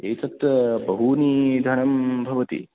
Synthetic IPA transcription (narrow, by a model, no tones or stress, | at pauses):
eːt̪ɐt̪ɐbɐɦunid̪ʱɐɳɐmbʱɐʋɐt̪ḭ